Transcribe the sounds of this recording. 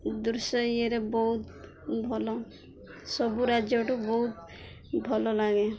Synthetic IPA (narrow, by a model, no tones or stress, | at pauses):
d̪uɾsɔieɾebɔɦut̪ | bʱɔlɔ | sɔbuɾad͡ʒjɔʈubɔɦut̪ | bʱɔlɔlaɡe